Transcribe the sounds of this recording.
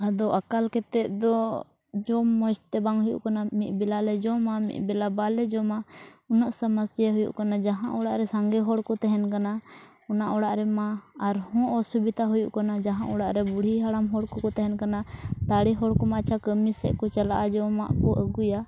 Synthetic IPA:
ad̪ɔʔakalkɛt̪ɛʔ̪̚d̪ɔ | d͡ʒɔmːɔ̃d͡ʒt̪ɛbaŋɦujṵʔkanamit̪̚ˀbilalɛd͡ʒɔmamḭt̪̚ˀbɛlabalɛd͡ʒɔmaɔnaʔsaməsjaɦujṵʔkanad͡ʒaɦãʔɔɽaʔɾɛsaŋɡɛɦɔɽkɔt̪ɛɦɛnkana | ɔnaʔɔɽaʔɾɛmaːɾhɔ̃ʔɔsubid̪ʱaɦujuʔkanad͡ʒaɦãʔɔɽaʔɾɛbuɽ̤iɦaɽamɦɔɽkɔkɔt̪ɛɦɛnkanat̪aɽiɦɔɽkɔmat͡ʃʰakəmisɛ̰ʔkɔt͡ʃalaʔad͡ʒɔma̰ʔkɔʔəɡuja

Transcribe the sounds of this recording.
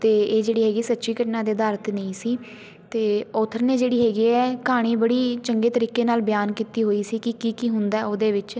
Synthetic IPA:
t̪eːeːd͡ʒeːɽiːɦɛːɡiːsətːʃiːkəʈnãːd̪eːd̪aːɾt̪nəĩːsiː | t̪eːoːt̪ʰəɾneːd͡ʒeːɽiːɦɛːɡiːɛːkaːɽ̃iːbəɽiːt͡ʃəŋɡeːt̪əɾiːkeːnaːlbɪjaːnkiːt̪iːɦoːiːsiːkɪkiːkiːɦʊnd̪aɛoːd̪eːʋɪt͡ʃ

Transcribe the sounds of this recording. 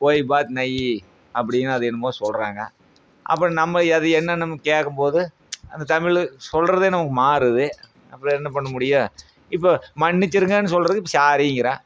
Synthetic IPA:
poːjbaːt̪nɐji | ɐp̬ːɐɽɪjnːɯɐðɯɛnːɯmpoːðɯsɔlɾaːŋɡɐ̰ | ʔɐ̰p̬ːɯɾɔ̃nɐmːɐɐðɯɛnːɐnɐmːɐkeːkːɯmpoːðɯ | ʔɐ̰nd̪ɐt̪ɐmɪɭsɔlɾɐðeːnɐmɐkːɯmaːɾɯðɯ | ɐ̰pːɐɾɔ̃ɛnːɐpɐɳːɐmʊɽɪjaː | ɪpːomɐɳːɪt͡ʃːɯɾɯŋɡɐnːɯs̬ɔlɾɐðɯɪpːɐsaːɾiŋɡɪɾãː

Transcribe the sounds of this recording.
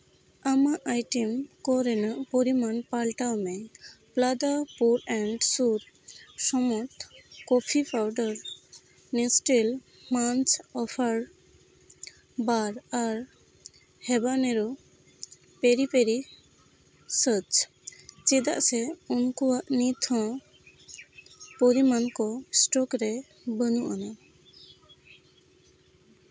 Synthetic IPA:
amaʔajʈemkɔɾɛnaʔpoɾimanpalʈawmɛplad̪apuɾɛɳɖsuɾ | sɔmɔt̪kɔpʰipʰawɖɔɾ | nesʈel | mant͡ʃɔpʰaɾ | baɾaɾ | hɛbanɛɾɔ | peɾipeɾi | sət͡ʃ | t͡ʃid̪a̰ʔsɛunkuaʔnit̪ʰɔ̃ | poɾimankɔsʈɔkɾɛ | bənuʔana

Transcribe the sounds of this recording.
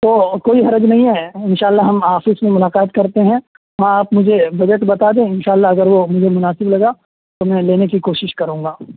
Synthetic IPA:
t̪oːkoːiɦɐɾəd͡ʒnɐɦĩɦɛɪnʃaːlːaɦɐmɦaːfɪsmẽmʊlaːqaːt̪kɐɾt̪eɦɛ̃ | ɦãaːpmʊd͡ʒʱebɐd͡ʒəʈbɐt̪aːd̪ẽɪnʃaːlːaɦɐɡəɾʋomʊd͡ʒʱemʊnaːsɪblɐɡa | t̪omɛ̃leːnekikoːʃɪʃkɐɾũːŋɡaː

